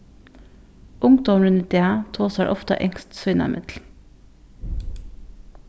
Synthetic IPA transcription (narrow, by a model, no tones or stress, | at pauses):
ʔʊŋd̪ɔmɹʉnnt̪ɪæːt̪ʰoːsæːʔɔft̪ə̰ʔɛŋst̪sœʏnæ̰mʔɪt̪l̩